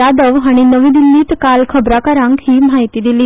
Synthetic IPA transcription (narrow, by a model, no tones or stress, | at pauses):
ad̪əʋaɽ̃inəʋĩːd̪ilːiːt̪kalkʰəbɾakaɾãŋkhiːm̤aɦjt̪iːd̪iliː